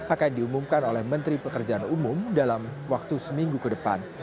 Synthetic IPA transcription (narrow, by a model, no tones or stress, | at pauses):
akandiumumkanolɛhmənt̪ɾipəkərd͡ʒaanumʊmdalamwak̚t̪usəmiŋɡukədəpa̰n